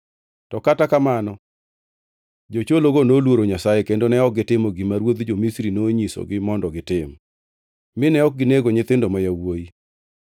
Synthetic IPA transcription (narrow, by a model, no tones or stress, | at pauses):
tɔkatakamanɔ | d͡ʒot͡ʃoloɡonolwoɾoɲasajɛkendonɛɔk̚ɡɪtɪmɔɡɪmaɾwod̪d͡ʒomisɾinoɲiso̰ɡɪmɔndɔɡɪtɪm | mɪnɛɔk̚ɡɪneɡoɲɪt̪ɪndomajawoji